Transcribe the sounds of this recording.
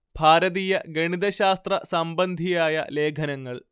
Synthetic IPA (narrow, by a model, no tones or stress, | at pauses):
b̥ʱaːɾɐðiːjɐɡɐɳiðɐɕaːst̪rɐ̰sɐmbɐnd̪ʱijaːjɐ̰le̞ːkʰɐnɐŋːɐɭ